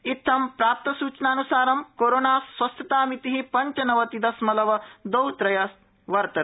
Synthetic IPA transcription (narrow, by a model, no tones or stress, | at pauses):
it̪ʰːɐmpɾaːp̚t̪ɐsuːt͡ʃɐnaːnusaːɾɐmkoːɾoːnaːsʋɐst̪ʰɐt̪aːmit̪iɦipɐɲt͡ʃɐnɐʋɐt̪id̪ɐsmɐlɐʋɐd̪ɐwt̪ɾɐjɐs | ʋɐɾt̪ɐ